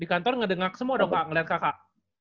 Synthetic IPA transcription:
dikant̪ɔrŋədəŋak̚səmuadokaʔŋəliɦat̪̚kakaʔ

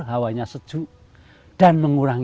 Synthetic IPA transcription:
ɦawaɲasəd̥ʒ̥ṳʔ | d̥anməŋuɾaŋ

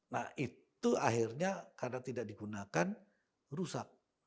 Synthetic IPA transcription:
nahit̪uaɦirɲakarnat̪idak̚diɡunakan | rusak̚

